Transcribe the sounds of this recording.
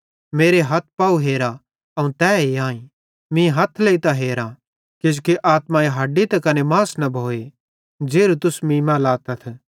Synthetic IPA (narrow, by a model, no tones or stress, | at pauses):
meːɾeɦɐt̪̚ʰpauɦeːɾa | ɐũt̪ɛːeãːĩ | mĩɦɐt̪ʰleit̪aɦeːɾã | kɪd͡ʒkeʔaːt̪maeɦɐɖit̪ɐkɐnemaːsnɐbʱoːe | d͡ʒeːɾut̪ʊsmĩːmãlaːt̪ɐt̪ʰ